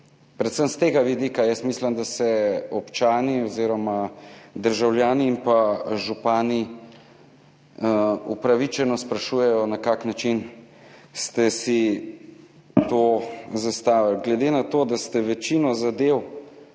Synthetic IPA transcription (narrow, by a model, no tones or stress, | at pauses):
pɾɛt̪səmst̪eːɡaʋid̪ikajɛst̪misləmd̪asɛɔpt͡ʃaːniɔziːɾɔmad̪əɾʒawljaːniːmpaʒupaːni | upɾaʋit͡ʃɛnɔspɾaʃujɛjɔnakaːknat͡ʃin | st̪ɛsi | t̪ozast̪aːʋalɡlɛd̪eːnat̪oːd̪ast̪ɛʋɛt͡ʃinɔzad̪ew